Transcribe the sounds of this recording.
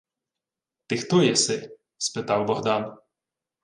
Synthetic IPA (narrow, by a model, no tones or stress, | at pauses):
t̪ɪxt̪ɔjɛsɪ | spɪt̪ɑwbɔɦd̪ɑn